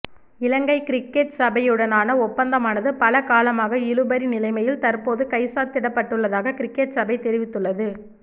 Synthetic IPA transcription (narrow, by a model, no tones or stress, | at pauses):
ɪlɐŋɡɐɪkɪɾɪkːeʈsɐbɐjɯɽɐnaːnɐɔpːɐnd̪ɐmaːnɐðɯpɐlɐkaːlɐmaːɣɐɪɻɯbɐɾinɪlɐɪmɐjɪlt̪ɐɾpoːðɯkɐɪsaːt̪ɪɽɐpːɐʈːɯɭːɐðaːɣɐkɪɾɪkːeʈsɐbɐɪt̪ɛɾɪʋɪt̪ːɯɭːɐðɯ